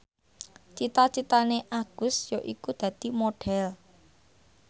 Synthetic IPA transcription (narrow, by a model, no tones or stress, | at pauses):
t͡ʃit̪at͡ʃit̪aneʔaɡ̥ʊ̤sjoʔikud̪̥ä̤d̪̥i̤moɖ̥ɛl